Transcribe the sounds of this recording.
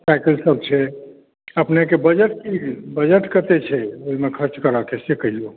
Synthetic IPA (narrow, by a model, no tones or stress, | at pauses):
sajkəlsəb̚t͡ʃʰɛ | əpnekebəd͡ʒəʈ̚kibəd͡ʒəʈkət̪et͡ʃʰɛoɦimekʰəɾt͡ʃkəɾəkesekəɦijo